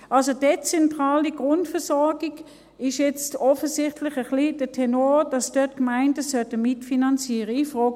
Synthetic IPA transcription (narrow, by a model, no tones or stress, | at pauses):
ʔɑlsod̥et͡sɛntʁaːliɡʁʊntfɛɐsɔɐɡiɡ | ɪʃjɛt͡stɔfəsɪχtʰlɪχəχlid̥ətʰɛnoːd̥ɑsd̥œtkmaɪndəsœtəmɪtfinɑnt͡siːʁəifʁoːɡ